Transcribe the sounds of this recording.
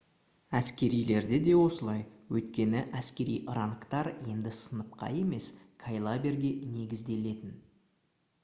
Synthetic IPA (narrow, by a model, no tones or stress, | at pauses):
æskʲe̞ɾijle̞ɾd̪ed̪e̞wo̞səlˠɑjwɵjt̪̚kʲe̞nɪʔæskʲe̞ɾḭjʔəɾɑɴəqt̪ɑɾje̞nd̪ɪsənəp̚qɑ̰je̞me̞s | kʰajlˠabe̞ɾɡʲe̞ne̞ɡʲɪzd̪e̞le̞t̪ɪn